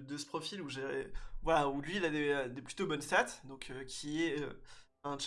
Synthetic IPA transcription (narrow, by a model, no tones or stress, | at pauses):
d̪əsə̥pχɔfiluʒeʁɛvwalaulɥiːlad̪eød̪eply̥t̪obɔnsat̪d̪ɔ̃køkʲʰiɛø | ɛ̃t͡ʃ